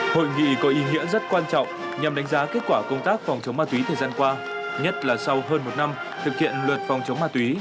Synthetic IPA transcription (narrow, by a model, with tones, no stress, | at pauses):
ho̰˧˨jŋḭ˧˨kɔ˨˦ʔi˨˦ŋḭ˧˥əzə˦˥t̚kwaː˧nt͡ɕɔ̰˧˨wŋ͡m | ɲa˨˩mɗa˨˦ŋ̟zaː˨˦ke˦˥t̚kwaː˧˩kə˧wŋ͡mt̪aː˦˥k̚fa˨˩wŋ͡mt͡ɕə˨˦wmaː˧t̪wi˨˦t̪ʰəː˨˩jzaː˧nkwaː˧ | ɲə˦˥t̚laː˨˩sa˧wɦəː˧nmo˨˩t̚na˧m | t̪ʰɨ˨˩k̚hḭ˧˨ənlwə˨˩t̚fɔ˨˩wŋ͡mt͡ɕə˨˦wŋ͡mmaː˧t̪wi˨˦